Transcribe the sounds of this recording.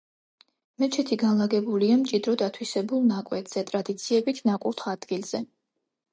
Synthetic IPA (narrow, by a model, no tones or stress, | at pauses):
mɛt͡ʃʰɛt̪ʰiɡanlˠaɡɛbuliamt͡ʃʼid̪ɾɔd̪at̪ʰwisɛbulˠnakʼwɛt̪ʰʼz̥ɛt̪ʼɾad̪it̪sʰiɛbit̪ʰnakʼuɾt̪ʰad̪̥ɡilˠz̥ɛ